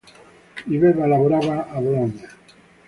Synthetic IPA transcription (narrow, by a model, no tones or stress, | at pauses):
iβeβalaβoɾaβaːβoloɲa